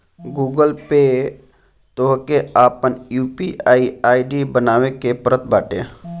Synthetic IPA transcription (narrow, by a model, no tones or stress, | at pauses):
ɡuːɡəlpeː | t̪oɦkeaːpənjuːpiaːiaːiɖibənaːʋekepəɾət̪̚baːʈḛː